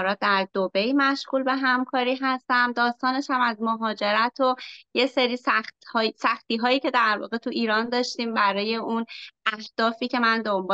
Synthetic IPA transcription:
ɾɒːt̪̚d̪æɾd̪obe̞jmæʃɣuːlbe̞ɦæmkʰɒːɾiːɦæst̪æmd̪ɒːst̪ɒːne̞ʃæmæzmoɦɒːd͡ʒe̞ɾæt̪ʰoje̞seɾiːsæxt̪hɒːsæxt̪iːɦɒːjiːcʰe̞d̪æɾvɒ̰ːɣe̞t̪ʰuʔiːɾɒːnd̪ɒːʃt̪iːmbæɾɒːje̞unʔæhd̪̥ɒːfiːcʰe̞mænd̪ombː

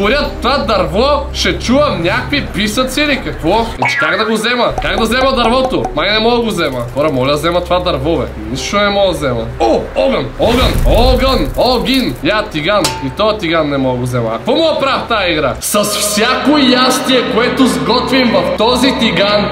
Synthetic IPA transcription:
oɾʲat̪t̪ːovad̪ɐɾvɔʃɛt͡ʃuvɐmnʲakkvipisɐt̪silikɐkvɔɛt͡ʃɛ̥kaɡd̪ɐɡozɛmɐkaɡd̪ɐzɛmɐd̪ɐɾvɔt̪omajnɛmɔɡˠəɡozɛmɐxɔɾɐmɔlʲɐd̪ɐzɛmɐt̪ovad̪ɐɾvɔvɛ̰ | nisʃt̪onɛmɔɡˠzɛmɐ̰ooɡənɔɡənɔɡənoɡʲinjat̪iɡanit̪ɔt̪iɡanːɛmɔɡozɛmɐ̰ːkvɔmoɐpɾaft̪aiɡɾa̰sɐsfsʲjakojast̪iɛkoɛt̪ʊzɡɔt̪vimvɐft̪ɔzit̪iɡan

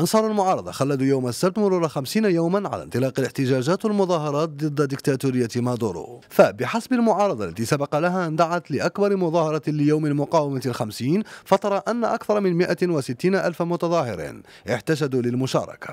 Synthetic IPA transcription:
ʔɑnsˤɑːɾˤalmʊʕɑːɾˤɑd̪ˤɑxalːad̪ujawmasːab̚t̪mʊɾˤuɾˤɑxamsiːnajawmanʕa̰la̰nt̪ˤɨlɑːqɑlɪħt̪ɪʒæːʒæːt̪walmʊðˤɑːɦɑɾˤɑːt̪̚d̪ˤɨd̪ːad̪ɪkt̪aːt̪uɾɪjːat̪mad̪uɾṵfabɪħasbalmʊʕɑːɾˤɑd̪ˤɑ̰lːæt̪isabɑqɑlaɦaʔnd̪aʕat̪lɪʔakbɑɾˤmʊðˤɑːhɑɾˤɑlɪjawmɪlmʊqɑːwɪmat̪lxamsiːnfɑt̪ˤɑɾˤɑʔanːaʔakθɑɾˤɑmɪnmɪʔawasɪt̪ːiːnaʔalfamʊt̪ɑðˤɑːhɪɾḭn | ʔɪħt̪aʃ̬æd̪ulɪlmʊʃɑ̰ːɾˤɑ̰kḁ̰

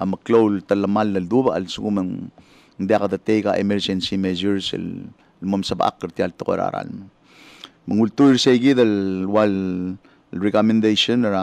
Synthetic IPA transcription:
aməklowlt̪alːəmalːəld̪ubaa̰lsuɡumən | nd̪aɣad̪ət̪ejɡaʔemeɾd͡ʒensimed͡ʒuɾslː | momsəbʔa̰kːəɾt̪jalt̪əɡo̰ɾa̰ɾa̰lmə | məŋult̪ujɾsejɡiðawal | lrekomend̪ejʃonɾa

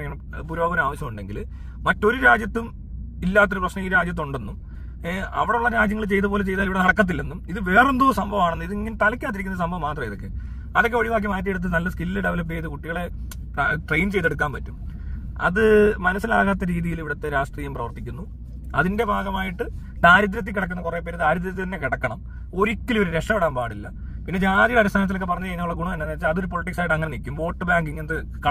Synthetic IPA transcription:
ŋːɐɳe | puɾuaːʋoɾaːʋɐɕjɐmuɳɖe̞ŋɡḭl | mɐtːo̞ɾuɾaːd͡ʑjɐt̪ːum | ilːaːt̪ːo̞ɾuprɐɕnɐiiɾaːd͡ʑjɐt̪̬ːuɳɖe̞nːum | ɐ̰ʋiɽeuɭːɐɾaːd͡ʑjɐŋːɐɭt͡ɕe̞jt̪ɐpo̞ːlet͡ɕe̞jt̪aːliʋiɽenɐɽɐkːɐt̪ːilːenːumiðɨʋeːrend̪oːsɐmbʱɐʋaːɳenːɨiðiŋːɐnt̪ɐlɐkʲːaːt̪ːiɾikʲːnːɐɨsɐmbʱɐʋmːaːt̪̬ːrɐmiðo̞kːe̞̰ | ɐðokːeoɻiʋaːk̬jɐmaːjt̪ieɽut̪̬ːɨnɐlːɐskilːlɨɽɐʋɐlɐbeːðɨkuʈːiɣɐɭe̞ | ʈrejnt͡ɕe̞jt̪e̞ɽuk̬ːaːnpɐtːum | ɐ̰ðɨmɐnɐsːila̰ːɣaːt̪ːɐɾiːðijiliʋiɽɐt̪ːe̞ɾaːʂʈriːjɐmprɐʋɐrt̪ːikʲːunːu | ɐðinde̞bʱaːɡɐmaːjiʈːɨ | d̪aːɾɐd̪̬ɾɐt̪̬ːikːiɽɐk̬ːunːɐkure̞pːeːɾd̪aːɾɐd̪ɾɐt̪̬ipinːekiɽɐkːɐɳɐm | o̞ɾikʲːiloɾuɾe̞ʂɐmeɽaːnpaːɽilːɐ̰ | pinːe̞d͡ʑaːd͡ʑiɣɐeɐɾust̪ʰaːnɐt̪̬ːilokːep̬ɐrɐɲːut͡ɕɐjːnːɐuɭːɐɡuɳɐmɐnːeɐnaːɾit͡ɕːaɐðo̞ɾupoliʈːiksaːjiʈːɐŋːɐnenikʲːumʋo̞ːʈːɨbaːŋɡɨiŋːɐnɐɨ | kɐ

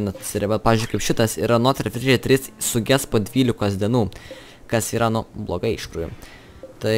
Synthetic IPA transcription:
nɐsɪɾʲʋʲɐt̪pɑːʋʲɪzʲd͡ʒʊɪkɐɪpʃʲɪt̪ɐsiːɾɐnoːt̪ʲɾʲɐfʲɾʲɛt̪ʲɾʲɪssʊɡʲɛspoːd̪ʲʋʲiːlʲɪkoːsd̪ʲiɛnuː | kɐsiːɾɐnʊblˠoːɡɐɪɪʃkɾuːjʊ̰ | t̪ɐɪ

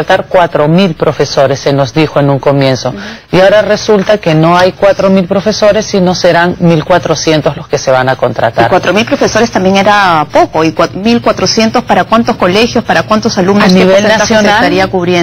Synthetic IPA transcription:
lt̪aɾkwat̪ɾo̞milpɾo̞fe̞so̞ɾe̞sːe̞no̞zðixo̞e̞nuŋko̞mje̞nso̞iaoɾare̞sult̪ake̞no̞ajkwat̪ɾo̞milpɾo̞fe̞so̞ɾe̞sːino̞se̞ɾaŋmilkwat̪ɾo̞sje̞nt̪ozlo̞ske̞seβanako̞nt̪ɾa̰t̪a̰ɾkwat̪ɾo̞milpɾo̞fe̞so̞ɾest̪ambje̞ŋe̞ɾapo̞ko̞ikmilkwat̪ɾo̞sje̞nt̪o̞spaɾakwant̪o̞sko̞le̞xjo̞spaɾakwant̪osalumnosniβenaasjosneaaɾiakuβɾje

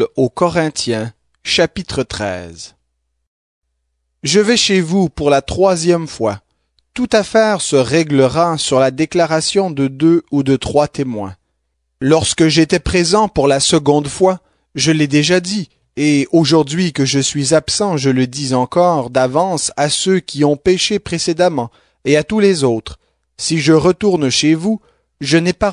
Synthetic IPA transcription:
okɔʁɛ̃t̪jɛ̃ | ʃapit̪χət̪χɛ̰ːz | ʒəvɛʃevupuʁlat̪χwazjɛmfwa | t̪ut̪afɛːʁsəʁɛɡləʁasyʁlad̪eklaʁasjɔ̃d̪əd̪øud̪ət̪χwat̪emwɛ̰̃ | lɔʁskəʒet̪ɛpχezɑ̃puʁlasəɡɔ̃d̪fwa | ʒəlɛd̪eʒad̪i | eoʒuʁd̪ɥikəʒəsɥizapsɑ̃ʒələd̪izɑ̃kɔːʁd̪avɑ̃sasøkʲiɔ̃pɛʃepχesed̪amɑ̃ | eat̪ulɛzoːt̪χ | siʒəʁət̪uʁnʃevu | ʒənɛpa

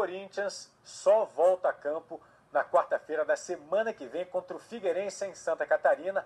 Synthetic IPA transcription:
koɾĩt͡ʃiɐ̃sː | ɔvɔwt̪ɐakɐ̃pʊ | nɐkwaɾt̪ɐfejɾɐd̪ɐsemɐ̃nɐkɪvẽj̃kõnt̪ɾʊfiɡeɾẽsɐẽj̃sɐ̃nt̪ɐkat̪aɾĩnɐ

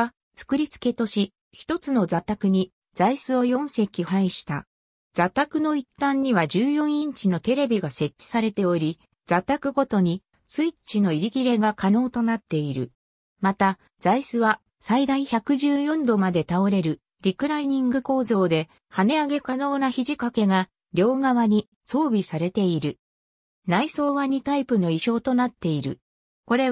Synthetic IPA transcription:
t͡sɨ̥kɯ̟ɾʲit͡sɨ̥ke̞t̪o̞ɕi | çi̥t̪o̞t͡sɨno̞zat̪akɯ̟ɲ̟i | z̥aisɨo̞jõ̞ɰ̃se̞kʲihaiɕi̥t̪a̰ | d͡z̥at̪akɯ̟no̞it̪ːãɲ̟ːiβad͡ʑɨːjõ̞ɰ̃ĩɲt͡ɕino̞t̪e̞ɾe̞bʲiɡase̞t͡ɕːi̥saɾe̞t̪e̞o̞ɾʲi | z̥at̪akɯ̟ɡo̞t̪o̞ɲ̟i | sɨit͡ɕino̞iɾʲikʲiɾe̞ɡakano̞ːt̪o̞nat̪ːe̞iɾɯ̟̰ | mat̪a | z̥aisɨβa | said̪aiçakɯ̟ʑɨːjõ̞nd̪o̞mad̪e̞t̪ao̞ɾe̞ɾɯ̟ | ɾʲikɯ̟ɾaiɲ̟ĩŋɡɯ̟ko̞ːzo̞ːd̪e̞ | hane̞aɡe̞kano̞ːnaçiʑikake̞ɡa | ɾʲo̞ːɡaβaɲ̟i | so̞ːbʲisaɾe̞t̪e̞iɾɯ̟ | naiso̞ːβaɲ̟it̪aipɯ̟no̞iɕo̞ːt̪o̞nat̪ːe̞iɾɯ̟̰ | ko̞ɾe̞

